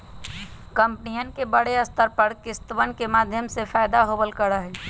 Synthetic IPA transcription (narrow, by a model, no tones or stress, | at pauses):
kəmpnijənkebəɽeəst̪ʰəɾpəɾkɪst̪əʋənkemaːd̪ʱjəmsefaːɪd̪aɦoːbəlkəɽaɦɛː